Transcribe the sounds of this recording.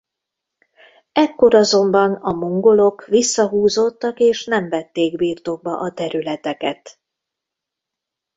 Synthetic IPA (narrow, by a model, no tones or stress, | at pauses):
ɛkːo̞ɾɒzo̞mbɒnɒmoŋɡo̞lo̞kʋisːɒɦuːzo̞t̪ːɒkeːʃnɛɱvɛt̪ːeːɡbiːrt̪o̞ɡ̚bɒʔɒt̪ɛɾylɛt̪ɛkɛt̪